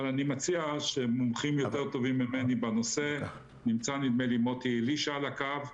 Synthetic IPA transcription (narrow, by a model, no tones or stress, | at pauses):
alanimat͡siaʃemomχimjo̞t̪eʁt̪o̞vimːimenibeno̞se̞ | nimt͡sanid̪mejlimot̪iliʃaalakav